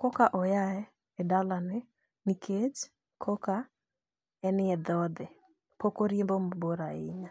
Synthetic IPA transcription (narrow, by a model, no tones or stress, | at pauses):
kɔkaʔɔjaɛ | ɛdalanɪ | nikʰet͡ʃ | kʰɔka | ɛnɪɛd̪ɔd̪ɪ | pokoɾiembomboɾaɪ̰ɲa